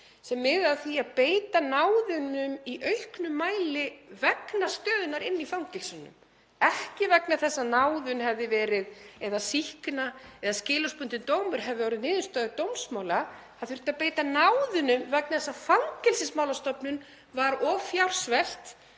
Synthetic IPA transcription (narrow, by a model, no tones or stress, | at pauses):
sɛmːɪðaðθiaðpeːjt̪anaːwðʏnʏmiʔœɥhknʏmːaːjlɪvɛknast̪œːðʏnaɾɪnːifawŋcɛlsʏnʏ̰m | ɛhcɪvɛknaθɛsːanaːwðʏnhɛvðɪvɛːɾɪðɛðasihknaɛðascɪːlɔspʏnt̪ɪnt̪oːwmʏɾ̥ɦɛvðɪɔːwɾɪðnɪːðʏst̪œːðʏt̪owmsmawla | haðθʏɾ̥t̪apeːjt̪anawðʏnʏmvɛk̚naθɛsːafawŋcɛlsɪsmawlast̪ɔpnʏn | vaɾɔːfjawr̥svɛl̥t̪